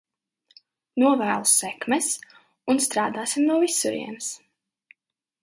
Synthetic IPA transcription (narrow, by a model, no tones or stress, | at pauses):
nuɔvæːlˠusɛkmɛs | unst̪ɾaːd̪aːsimnuɔvisuɾḭɛns